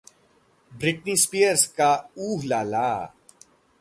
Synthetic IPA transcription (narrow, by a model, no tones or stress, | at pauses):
bɾɪʈniːspijəɾskauːɦlaːlaː